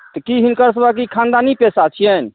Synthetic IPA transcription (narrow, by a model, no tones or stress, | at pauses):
t̪əkiɦinkəɾs̬əbak̬ikʰãnd̪anipesat͡ʃʰijɛn